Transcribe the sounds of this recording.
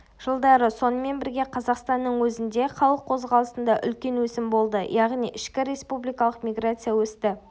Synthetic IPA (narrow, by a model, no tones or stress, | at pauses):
ʒ̥əlˠd̪ɑɾəso̞nəme̞nbɪɾɡʲe̞qʰɑzɑqst̪ɑnːəɴwɵzɪnd̪e̞χɑlˠəqʰːo̞zʁɑlˠəsənd̪ɑʔʏ̰lkʲe̞nwɵsɪmbo̞lˠd̪əjɑʁnijʔɪʃkʲɪɾe̞spublijkɑlˠəqmʲijɡrat̪sɨjawɵst̪ɪ